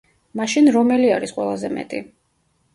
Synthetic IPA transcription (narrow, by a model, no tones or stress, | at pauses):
maʃinɾɔmɛliaɾisqʼwɛlˠazɛmɛ̰t̪ʼḭ